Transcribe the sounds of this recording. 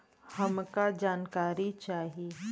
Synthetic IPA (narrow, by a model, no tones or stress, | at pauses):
hɐmkad͡ʒaːnkaːɾit͡ʃaːɦie